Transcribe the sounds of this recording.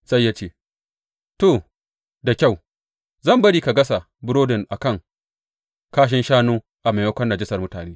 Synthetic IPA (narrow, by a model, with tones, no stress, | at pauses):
sa˦jːa˦t͡ʃeː˦ | to˨ | da˨kʲa˦˨w | zɐ˦˨mbɐ˦ɽiː˨ka˨ɡɐ˦sa˨ | bʊ˦ɾoː˦dɪ˨nʔa˨kɐ˦˨ŋ | kaː˦ʃ̬ɪ˦nʃaː˦noː˦ | ʔa˨ma˨jɐ˦kʷɐ˦nːa˨d͡ʒɪ˦sɐ˨rmʊ˦taː˨neː˦